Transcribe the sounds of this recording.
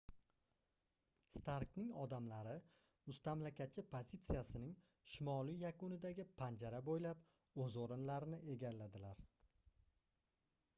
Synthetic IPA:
st̪ʰaɾknɪŋɒd̪amlaɾɪ | ʊst̪amlakʰʲat̪̚t͡ʃʰːɪpʰozit̪sɨjasɪnɪŋ | ʃɪmɒlijakʊnɪd̪aɡʲɪpʰand͡ʒaɾabojlap | ɵzoɾɪnlaɾɪnɪʔe̞ɡʲalːad̪ɪlaɾ

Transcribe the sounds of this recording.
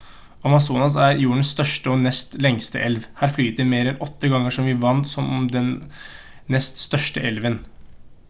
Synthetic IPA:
ɑmɑsuːnɑs̬æɾjuːəɳsst̪œʂʈəɔnɛst̪lɛŋst̪ə̰ʔɛlʋhæːɾflyːt̪əmeːɾɛnʔɔt̪ːəɡɑŋːəʂɔmʋɪʋɑnt̪sɔmd̪ɛnː | ɛst̪st̪œʂʈəʔɛlʋən

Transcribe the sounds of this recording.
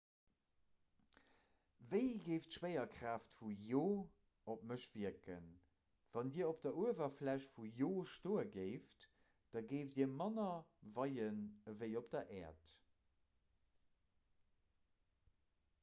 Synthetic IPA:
vəɪɡeɪftʃweɪɐkʁaːftfujoː | opməʃv̥iɐkə̰n | v̥ɑndiːɐop̚d̥ɐuəvɐflæɕfujoːʃtoːəɡeɪft | d̥ɑɡeɪfdiːɐmɑnɐvɑɪənəvəɪop̚d̥ɐʔɛːɐt

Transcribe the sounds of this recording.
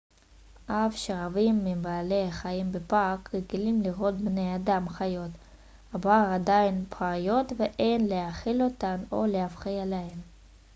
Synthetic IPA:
ʔafʃeʁavimːimbaːleaχajimbepakːeɡilimliʁo̞t̪̚bnejadamχajo̞t̪ | habaʁad̪ainpʰajo̞t̪veʔejnleaχilo̞t̪ano̞leafχijalehem

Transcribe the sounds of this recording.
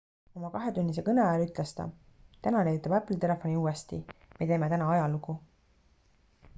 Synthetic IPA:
o̞mɑkɑɦe̞t̪ynʲːis̬e̞kɤneɑɑlyt̪ˑlest̪ɑ̰ | t̪ænɑnejyt̪ːˑɑbæpːˑlt̪e̞le̞fo̞niuːest̪ime̞t̪e̞ːme̞t̪ænɑɑjɑluku

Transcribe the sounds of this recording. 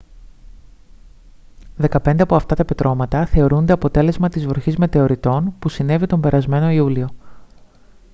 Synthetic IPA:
ðe̞kɐpe̞nd̪e̞ɐpo̞ɐft̪ɐt̪ɐpet̪ɾo̞mɐt̪ɐθe̞o̞ɾund̪e̞ɐpo̞t̪e̞le̞zmɐt̪izvoçizme̞t̪e̞o̞ɾit̪o̞npusine̞vit̪o̞mbe̞ɾɐzme̞no̞iulio̞

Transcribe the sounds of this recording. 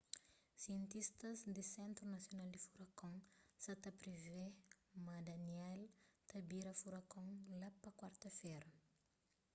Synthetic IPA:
siẽnt̪ist̪ɐzd̪isɛ̃nt̪ɾunasjonald̪ifuɾakõŋsat̪apɾivemad̪anɛlt̪ɐbiɾɐfuɾakõŋlapɐkwaɾt̪ɐfɛɾɐ

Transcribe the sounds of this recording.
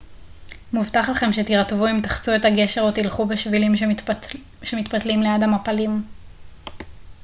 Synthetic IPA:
muvtaχlaχe̞mʃe̞t̪iʁtvuimt̪aχt͡suetaɡeʃeʁot̪ilχubeʃvilim | ʃemit̪patlimlejadamapalim

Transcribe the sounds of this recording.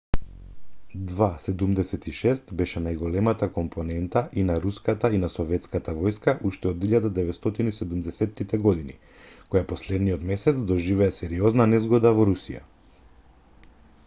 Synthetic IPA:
d̪vasɛd̪umd̪ɛsɛt̪iʃɛst̪bɛʃɛnajɡɔlɛmat̪akɔmpʰɔnɛnt̪aʔinaɾuskat̪ainasɔvɛt̪skat̪avɔjskaʔuʃt̪ɛɔd̪iʎad̪ad̪ɛvɛt̪st̪ɔt̪inisɛd̪umd̪ɛsɛt̪ːit̪ɛɡɔd̪ini | kɔjapɔslɛd̪nijɔt̪mɛsɛt̪sd̪ɔʒivɛːsɛɾiɔznanɛzɡɔd̪avɔɾusija̰

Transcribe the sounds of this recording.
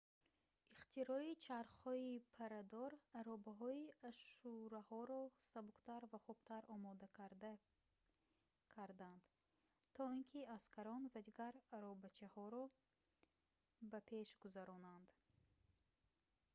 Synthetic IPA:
iχt̪ʰiɾɔit͡ʃʰaɾχhɔipʰaɾad̪ɔɾaɾɔbaɦɔiaʃuɾahɔɾɔsabuqt̪ʰaɾvaχubt̪ʰaɾɔmɔd̪akaɾd̪a | kʰaɾd̪and̪̥ | t̪ʰɔinkʰiaskʰaɾɔnvad̪iɡaɾaɾɔbat͡ʃʰahɔɾɔ | bapʰe̞ʃɡuzaɾɔnand̪

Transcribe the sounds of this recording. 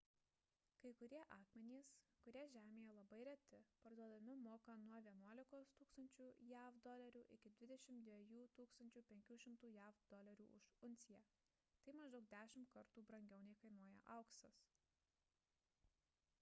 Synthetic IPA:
kɐɪkʊɾʲiɛʔɑːkmʲɛnʲeːskʊɾʲiɛʒʲæːmʲeːjɛlˠɐbɐɪɾʲɛt̪ʲɪpɐɾd̪uɔd̪ɐmʲɪmoːkɐnuɔʋʲiɛnuɔlʲɪkoːst̪uːkst̪ɐnʲt͡ʃʲuːjæːʋd̪ɔlʲɛɾʲuːʔɪkʲɪd̪ʲʋʲɪd̪ʲɛʃʲɪmd̪ʲʋʲɛjuːt̪uːkst̪ɐnʲt͡ʃʲuːpʲɛŋʲkʲuːʃʲɪmt̪uːjæːfd̪ɔlʲɛɾʲuːʔʊʃʊnʲt̪sʲɪjæː | t̪ɐɪmɐʒd̪ɐʊk̚d̪ʲæːʃʲɪmt̪kɐɾt̪uːbɾɐŋʲɡʲɛʊnʲɛɪkɐɪnuɔjɛ̰ʔɐʊksɐs

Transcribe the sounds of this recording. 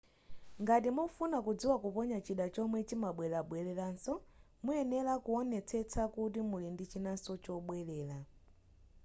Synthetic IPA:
ŋɡatimɔfunakud͡ziwakupɔɲat͡ʃiɗat͡ʃɔmwɛt͡ʃimaɓwɛlaɓwɛlɛlansɔ | muɛnɛlakuɔnɛt͡sʰɛt͡sʰakut̬imulindit͡ʃinasɔt͡ʃɔɓwɛlɛːla

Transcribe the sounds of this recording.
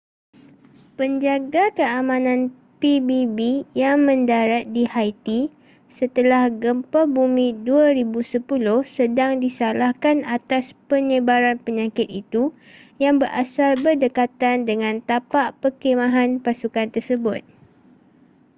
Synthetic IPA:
pəɲd͡ʒaɡakəamãnãn | pibibijaŋmə̃ndaɾat̪̚dihajt̪i | sət̪əlahɡəmpabumĩduaɾibusəpulʊhsədaŋdisalahkanat̪aspəɲə̃baɾanpəɲãkɪt̪it̪u | jaŋbəɾʔa̰salbərdəkat̪andəŋãnt̪apaʔpəkemãɦanpasukant̪ərsəbʊt̪̚

